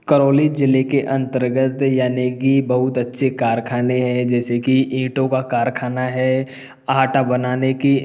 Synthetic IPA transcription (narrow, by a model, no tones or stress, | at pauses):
kəɾoːlid͡ʒɪlekeʔɐ̃nt̪əɾɡət̪jaːnekibɐɦʊt̪ɐtːʃʰekaːɾkʰaːneɦɛd͡ʒɛːsekiĩːʈõkakaːɾkʰaːnaɦɛː | aɦʈabɐnaːneki